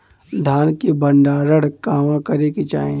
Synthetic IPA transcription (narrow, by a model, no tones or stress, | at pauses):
d̪ʱaːnkebəɳɖaɾəɽkaːmãkəɾekit͡ʃaːẽ